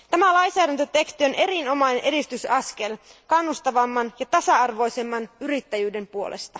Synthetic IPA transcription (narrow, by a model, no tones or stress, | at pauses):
t̪æmælɑjnsæːdænt̪øt̪e̞kst̪io̞nʔe̞ɾino̞mɑjnenʔedist̪ysɑske̞lkɑnːust̪ɑʋɑmːɑnjɑt̪ɑsɑɑrʋo̞jse̞mːɑnyrit̪ːæjyːde̞mpuo̞̰lḛst̪ɑ